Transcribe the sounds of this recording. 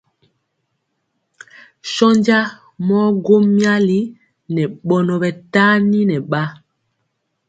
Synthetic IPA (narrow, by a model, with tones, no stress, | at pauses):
ʃɔ˦ɲɟa˦ | mɔ˦ɡo˦mja˦li˦ | nɛ˨ɓɔ˨nɔ˨ɓɛ˨ta˦ni˦nɛ˨ɓa˦